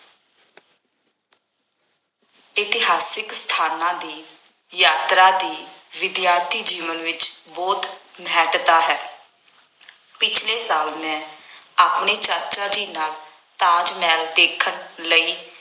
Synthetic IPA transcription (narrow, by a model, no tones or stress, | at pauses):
ɪt̪ɪɦaːsɪkst̪ʰaːnãːd̪iː | jaːt̪ɾaːd̪iːʋɪd̪jaːɾt̪ʰiːd͡ʒiːʋənʋɪt͡ʃbɔːt̪nɛːʈt̪aːɦɛː | pɪt͡ʃʰleːsaːlmɛ̃ː | aːpneːt͡ʃəɾt͡ʃaːd͡ʒiːnaːl | t̪ãːd͡ʒmɛːld̪eːkʰənləiː